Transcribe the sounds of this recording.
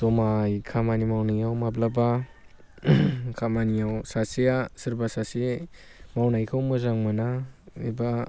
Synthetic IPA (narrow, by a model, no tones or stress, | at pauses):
sɔmajkʰamanimawnajawmablaba | kʰamanijawsasijasɯɾbasasi | mawnajkʰawmɯzaŋmanaiba